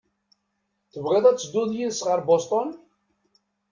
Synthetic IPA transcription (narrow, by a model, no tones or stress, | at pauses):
θəvʁeðˤæt͡sːəd̪ʊðjiðəsʁəɾbost̪ˤɔn